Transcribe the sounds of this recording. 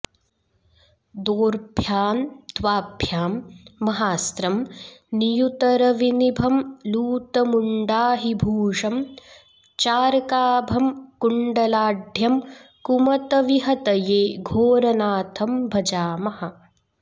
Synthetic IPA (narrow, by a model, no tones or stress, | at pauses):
d̪oːɾbʱjaːnt̪ʋaːbʱjaːmːɐɦaːst̪ɾɐmnijut̪ɐɾɐʋinibʱɐmluːt̪ɐmuɳɖaːɦibʱuːʂɐm | t͡ʃaːɾkaːbʱɐmkuɳɖɐlaːɖʱjɐmkumɐt̪ɐʋiɦɐt̪ɐjeːɡʱoːɾɐnaːt̪ʰɐmbʱɐd͡ʒaːmɐhɐ̆